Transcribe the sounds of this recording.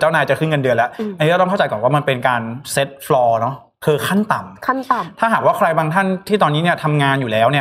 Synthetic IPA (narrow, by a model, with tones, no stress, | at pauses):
t͡ɕaː˥˩wnaː˧jt͡ɕa˨˩kʰɯ˥˩ŋɤ˧ndɯ˧ənlɛ˦˥ʔa˧nː˧˦˥ɔ˥˩ŋʰa˥˩t͡ɕa˧jkɔː˨˩waː˥˩ma˧npe˧nkaː˧nse˦˥t̪̚flɔː˧nɔ˦˥ | kʰɤː˧kʰa˥˩nt̪a˨˩mkʰt̪ʰaː˥˩ɦaː˨˩k̚waː˥˩kʰɾa˧jbaː˧ŋt̪ʰa˥˩nt̪ʰiː˥˩ɔː˧nːiː˦˥ni˥˩t̪ʰa˧mŋaː˧njuː˨˩lɛː˦˥wni˥˩ɐ